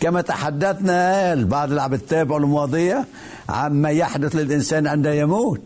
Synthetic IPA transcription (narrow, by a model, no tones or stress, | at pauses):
kamat̪aħad̪ːaθnalbɑʕd̪ˤɪlʕabɪt̪ːæːbɪʕalmʊɑːd̪ˤɨja | ʕa̰mmajaħd̪ʊθlɪlʔɪnsæːnʕɪnd̪ajamuːt̪